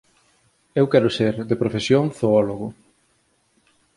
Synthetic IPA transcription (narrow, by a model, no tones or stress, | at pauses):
ewkɛɾʊseɾðepɾofesjoŋθoɔloɣʊ